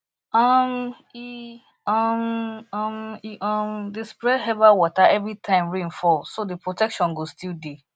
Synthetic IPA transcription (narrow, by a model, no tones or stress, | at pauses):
am | i | ammiʔɔ̃mdespɹɛɦɛvawɔtaʔɛvɹitʰãɪ̃mɹĩnfɔsodepɹotɛkʃɔ̃nɡostilde